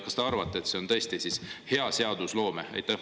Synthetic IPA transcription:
kɑst̪eɑɾrvɑt̪ːˑeet̪se̞o̞nt̪ɤ̞esʲt̪isishe̞ɑse̞ɑd̪uslo̞ːmeḛjt̪ːɑh

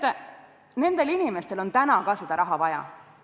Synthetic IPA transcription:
ne̞nd̪̥e̞linime̞st̪e̞lo̞nt̪ænɑkɑsed̪̥ɑɾʔɑɦɑvɑjɑ̰

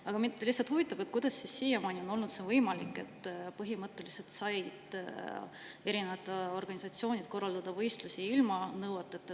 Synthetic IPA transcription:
ɑɡ̥ɑmilihsɑlt̪huvit̪ːˑɑb̥e̞t̪̚kujd̪ɑsːisːijemɑːnʲio̞no̞lnut̪sevɤjmɑlikːˑe̞t̪ːˑpɤɦimɤt̪ːˑe̞lise̞lt̪sɑjd̪̥ | eɾinevɑt̪ːˑɑo̞rɡ̥ɑnʲisɑt̪sio̞ːnʲid̪̥ko̞rːɑld̪̥ɑd̪̥ɑvɤjst̪lusiilmɑnɤwet̪ːˑet̪ːˑ

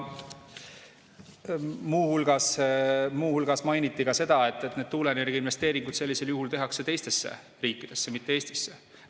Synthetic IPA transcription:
muːhulɡ̥ɑsmuːhulɡ̥ɑsmɑjnit̪ːˑikɑse̞d̪̥ɑe̞t̪ːˑet̪ːne̞d̪̥̚t̪uːlenerɡ̥inve̞st̪eːɾiŋɡ̥ud̪̥se̞lʲːise̞ljuɦult̪e̞ɦɑkse̞t̪e̞jst̪e̞sːḛ | riːkːˑid̪̥e̞sːemit̪ːeeːst̪i̥sːe

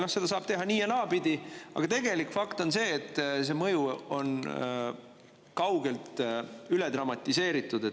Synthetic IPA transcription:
nohse̞d̪ɑs̬ɑːb̥̚t̪e̞ɦɑniːenɑːpid̪̥ʲiɑ̰ɡ̥ɑt̪e̞ɡe̞likfɑkt̪o̞nse̞ːt̪ːs̬e̞ːmɤjuo̞n | kɑwɡe̞lt̪ylɛd̪rɑmɑt̪ʲːˑise̞ːɾit̪ːˑud̪̥e

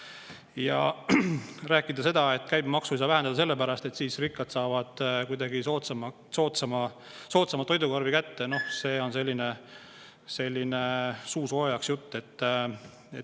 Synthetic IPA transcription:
jɑ̰ | ræːkːˑid̪ɑse̞d̪̥ɑe̞t̪ːˑkæjbmɑksuisɑvæɦend̪ɑd̪ɑse̞lːepæɾɑst̪e̞t̪siːsrikːɑt̪sɑːvɑd̪̥kujd̪ɑɡisot̪sɑmɑ | so̞ːt̪sɑmɑ | so̞ːt̪sɑmɑt̪ːo̞jd̪ukɑrvikæt̪ːe̞no̞hse̞ːo̞nse̞lʲːine̞ | se̞lʲːinesuːso̞jɑksjut̪ːe̞t̪ː | et̪

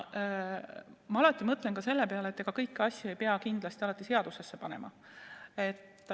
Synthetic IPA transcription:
mɑɑlɑt̪ːˑimɤt̪ːˑle̞nkɑse̞lːe̞pe̞ɑlet̪ˑːeɡ̥ɑkɤjkːɑsʲjuejpeɑkind̪lɑst̪iɑlɑt̪ːˑise̞ɑd̪̥usesːe̞pɑnḛmʔɑ̰ | e̞t̪ːˑ

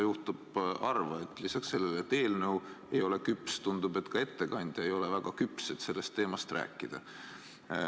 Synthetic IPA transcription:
juht̪ub̥ɑrvɑet̪ːˑlisɑksːe̞lːelet̪e̞ːlnɤw | ejo̞le̞kypst̪und̪ub̥e̞t̪ːˑkɑe̞t̪ːe̞kɑnʲd̪̥ʲjɑejo̞levæɡ̥ɑkypset̪ːse̞lːe̞st̪ːe̞ːmɑst̪rʔæ̰ːkːˑid̪̥ɑ

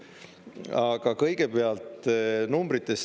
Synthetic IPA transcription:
ɑɡ̥ɑkɤjɡ̥e̞pe̞ɑlt̪numbɾit̪ːˑe̞s

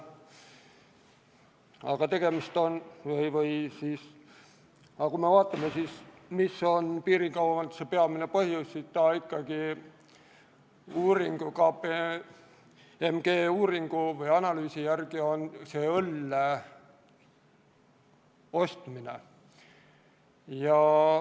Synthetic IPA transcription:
ɑ̰ɡ̥ɑt̪e̞ɡ̥e̞mist̪o̞nvɯjvɯjsiːs | ɑkumevɑːt̪ːˑɑmesiːs | misːo̞npiːɾiŋkɑwɑmɑnt̪sepeɑminepɤhjusːist̪ɑːikːɑɡ̥i | uːɾiŋɡ̥ukɑpe | emɡ̥eːuːɾiŋɡ̥uvɯjɑnɑlyːsijærɡ̥io̞nseølːe | o̞st̪minḛ | jɑ

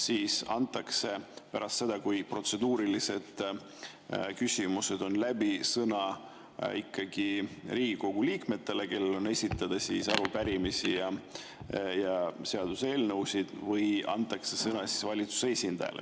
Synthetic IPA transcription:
siːsɑnt̪ːˑɑkse̞pæɾɑst̪se̞d̪ɑkujpro̞t̪se̞d̪uːɾilise̞d̪̥ | kysʲimuse̞d̪̥o̞nlæbisɤnɑ | ikːɑɡ̥iriːɡ̥iko̞ɡ̥uliːkme̞t̪ːˑe̞le̞ke̞lːe̞lo̞ne̞sʲit̪ːˑɑd̪̥ɑsisɑɾupæɾimisijɑ | jɑseɑd̪̥use̞ːlnɤwsid̪̥vɯjɑ̰nt̪ːˑɑkse̞sɤnɑsi̥svɑlʲit̪su̥sesʲind̪̥ɑ̰jɑ̰lʔḛ

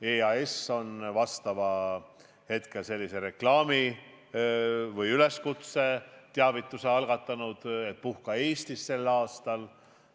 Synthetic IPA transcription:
eːɑeso̞nvɑst̪ɑvɑ | he̞t̪ke̞lse̞lːise̞ɾe̞klɑːmi | vɤjyle̞skut̪se̞t̪eɑvit̪ːˑuse̞ɑlɡ̥ɑt̪ːˑɑnud̪̥e̞t̪̚puhkɑe̞ːst̪isːe̞lːɑːst̪ɑl

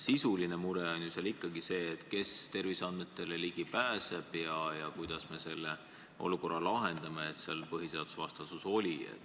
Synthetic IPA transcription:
sisuline̞muɾeo̞nʲjusɑlikːɑɡise̞ːt̪ˑke̞st̪e̞rvisɑnd̪me̞t̪ːˑe̞leliɡ̥ipæːse̞b̥jɑjɑkujd̪̥ɑsme̞se̞lːe̞ | o̞̰luko̞rɑlɑɦe̞nd̪̥ɑme̞et̪seɑlpɤɦise̞ɑd̪̥usvɑst̪ɑsuso̞lʲiḛt̪ː

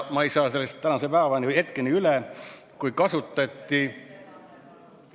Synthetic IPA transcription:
mɑejsɑːse̞lːest̪ːænɑsepæːvɑnihe̞t̪̚kenʲiylɛ | kujkɑsut̪ːˑɑt̪ʲːi

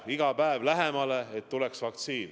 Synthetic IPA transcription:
iɡ̥ɑpæevlæɦemɑleet̪ːuleksvɑk̚t̪siːn

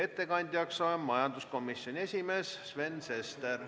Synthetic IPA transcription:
e̞t̪ːe̞kɑnʲd̪̥ʲjɑksɑemmɑjɑnd̪̥usko̞misːjonʲie̞sʲime̞ːssve̞nse̞st̪er

